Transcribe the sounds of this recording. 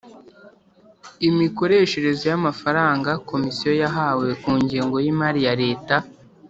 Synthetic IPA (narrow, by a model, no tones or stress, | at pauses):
imiko̞ɾe̞ːʃe̞ɾe̞zojamafaɾaːŋɡako̞misijo̞jaɦaːwe̞kuːɲɟiːŋɡo̞jimaɾijaɾe̞ːta